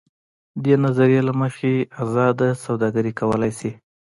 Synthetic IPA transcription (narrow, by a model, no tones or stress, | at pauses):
d̪enazaɾijelaməxeazɑd̪asawd̪ɑɡaɾikawəlajsi